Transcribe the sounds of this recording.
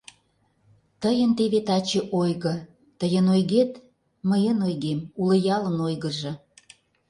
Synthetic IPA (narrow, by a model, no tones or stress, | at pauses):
t̪əjənt̪eβet̪ɑt͡ɕeʔojɣə̆ | t̪əjənojɣet̪ | məjənojɣemulə̆jɑlə̆nojɣəʒɤ̆